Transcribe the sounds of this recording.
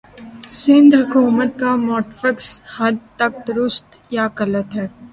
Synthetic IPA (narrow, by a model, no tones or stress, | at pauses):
sɪ̃nd̪ɦɐkuːmət̪̚kamɔːʈfəkshɐd̪̚t̪ɐk̚d̪ʊɾʊst̪jakɐlət̪ɦɛː